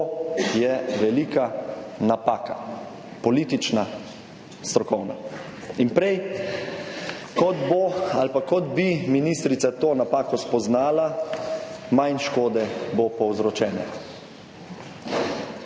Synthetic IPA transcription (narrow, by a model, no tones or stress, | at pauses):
jɛʋɛliːkanapaːka | pɔliːt̪it͡ʃna | st̪ɾɔkɔwna̰ | inpɾɛj | kɔt̪boalpakɔd̪biminist̪ɾit̪sat̪oːnapaːkɔspɔznaːla | majnʃkoːd̪ɛbopɔwzɾɔt͡ʃɛːnɛ̰